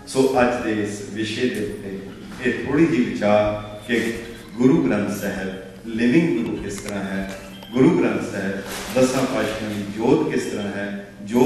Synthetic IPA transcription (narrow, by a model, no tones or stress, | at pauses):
soːʔəd͡ʒd̪eːɪsʋɪʃeːd̪eʊt̪ːeː | eːt̪ʰoːɽiːd͡ʒiːʋɪt͡ʃaːɾkɪ | ɡʊɾuːɡɾə̃nt̪sɛɦəɾ | lɪʋɪ̃ŋɡɡʊɾuːkɪst̪əɾãːɦɛː | ɡʊɾuːɡɾə̃nt̪sɛɦəɾd̪əsãːpaʃnĩːd͡ʒoːt̪kɪst̪əɾãːɦɛː | d͡ʒoː